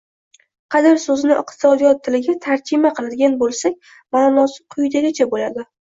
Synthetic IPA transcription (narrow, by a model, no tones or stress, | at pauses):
qʰɑd̪ɪɾsɵzɪnɪʔɨ̰qt̪ʰɪ̥sɒd̪ijɒt̪ʰːɪlɪɡʲat̪ʰaɾd͡ʒɪmaqʰɨlˠad̪ɪɡʲanbolˠsakʲ | mamɒsɪqʰʊjd̪aɡʲat͡ʃʰabolad̪ɪ